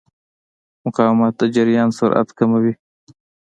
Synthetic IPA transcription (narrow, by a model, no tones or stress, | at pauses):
mʊqɑːwmɑt̪̚d̪ad͡ʒaɾijɑːnsaɾʔa̰t̪kamawi